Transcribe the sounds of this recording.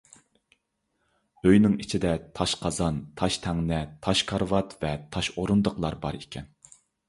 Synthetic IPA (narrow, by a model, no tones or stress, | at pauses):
øjnɪŋit͡ʃʰid̪ɛt̪ʰɑʃqʰɑzɑnt̪ʰɑʃt̪ʰɛŋnɛt̪ʰɑʃkʰɑɾvɑt̪vɛt̪ʰɑʃoɾund̪əqlˠɑɾbɑ̰ɾikʲʰɛn